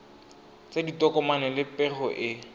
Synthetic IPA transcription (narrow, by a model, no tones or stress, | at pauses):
t͡sʼeditɔkʼɔmanɛlɪpʼɛrɔʔɪ